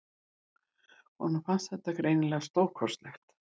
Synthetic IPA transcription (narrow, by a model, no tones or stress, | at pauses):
hɔnafanst̪θɛht̪ːakɾeːjnɪlɛɣast̪oːwkʰɔrst̪lɛxt̪